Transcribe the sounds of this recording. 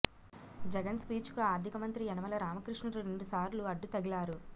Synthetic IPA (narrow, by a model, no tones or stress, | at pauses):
d͡ʒɛɡɐnspiːt͡ʃkuaːd̪ʱikɐmɐnt̪ɾiɛnɐʋɐlɐɾaːmɐkɾiʂɳɐɾuɾe̞ɳɖusaːɾluɐɖːut̪ɐɡilaːɾu